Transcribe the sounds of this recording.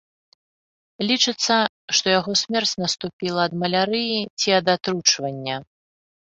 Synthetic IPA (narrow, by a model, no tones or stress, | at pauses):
lʲit͡ʂɨt̪sːɐ | ʂt̪ɔjaɣɔsʲmʲɛrt͡sʲnɐst̪upʲilˠɐːd̪mɐlʲaɾɨjit͡sʲiɐd̪at̪ɾut͡ʂvɐnʲːɐ